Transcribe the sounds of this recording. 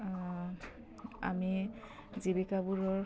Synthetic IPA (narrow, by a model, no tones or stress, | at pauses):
a̰mi | zibikabuɹɔɹ